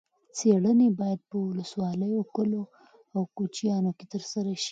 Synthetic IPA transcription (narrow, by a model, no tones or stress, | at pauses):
t͡seɽənebɑjad̪̚pəwʊləswɑləjokəlo | awkot͡ʃijɑnoket̪əɾsaɾaʃi̥